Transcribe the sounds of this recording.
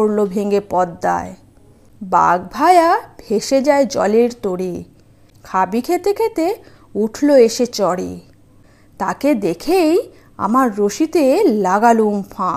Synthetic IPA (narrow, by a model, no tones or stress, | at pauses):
oɾlobʱeŋɡepɔd̪ːa̰e | ba̰ɡ̚bʱaeabʱeʃed͡ʑaed͡ʑɔ̰leɾt̪oɽi | kʰabikʰet̪ekʰet̪e | uʈʰloeʃet͡ɕɔɽḭ | t̪aked̪ekʰej | a̰maɾːoʃit̪elaɡalumfʰã